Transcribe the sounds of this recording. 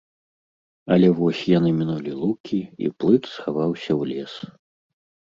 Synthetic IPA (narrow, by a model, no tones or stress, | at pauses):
ɐlʲɛvɔsʲjan̪ɨmʲinulʲilˠukʲiḭplˠɨt̪sxavawsʲɐwlʲɛs